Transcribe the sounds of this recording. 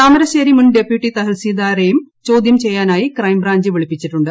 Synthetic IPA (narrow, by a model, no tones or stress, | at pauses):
t̪aːmɐɾɐɕeːɾimunɖe̞pjuʈːit̪ɐɦilsiːd̪aːɾejumt͡ɕo̞ːd̪jɐmt͡ɕe̞jːaːnaːjikrɐjmbraːɲd͡ʑɨʋiɭipːit͡ɕːiʈːuɳɖɨ